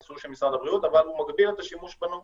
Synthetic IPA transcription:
suʁʃelmisʁad̪abʁiut̪avalhumaɡbilet̪aʃimuʃbanu

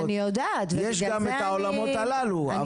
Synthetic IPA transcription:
niod̪a | t̪vjɛʃɡamet̪aolamot̪alalua

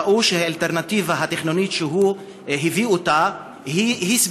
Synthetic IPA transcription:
ʔuʃehaalt̪eʁnativaɦateχnonit̪ʃeɦu | ɦiviota | hihis

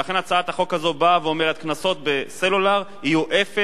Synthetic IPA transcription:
laχe̞nat͡saat̪haχo̞khazo̞baveo̞meet̪̚knaso̞t̪̚be̞selulaʁ | ijuʔefe

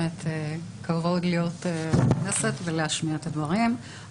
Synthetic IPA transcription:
et̪ʰekavolijo̞t̪enesetveleaʃmiaet̪advaʁim

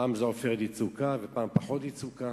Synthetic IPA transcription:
aːmzeofeʁet̪it͡sukavepaːmpaħo̞t̪it͡suka

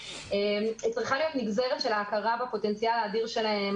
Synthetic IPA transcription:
emit͡sʁiχalijo̞tmiɡze̞ʁetʃe̞laːkaʁabapo̞te̞nt͡sijalaːdiʁʃe̞laem

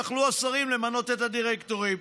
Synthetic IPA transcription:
aχluasaʁimlemano̞t̪et̪had̪iʁekt̪o̞ʁim

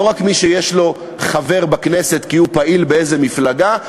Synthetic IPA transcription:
oʁakmiʃejeʃlo̞ | χave̞ʁbakne̞se̞t̪kiupaʔilbeeze̞miflaɡa

